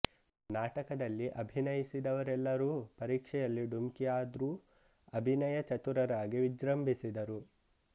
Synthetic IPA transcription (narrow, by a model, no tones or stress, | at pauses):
naːʈɐkɐd̪ɐlːiʔɐbʱinɐjisid̪ɐʋɐɾɛlːɐɾuːpɐɾiːkʂɛjɐlːiɖumkijaːd̪ɾuː | ɐbʱinɐjɐt͡ʃɐt̪uɾɐɾaːɡiʋid͡ʒɾɐmbʱisid̪ɐɾu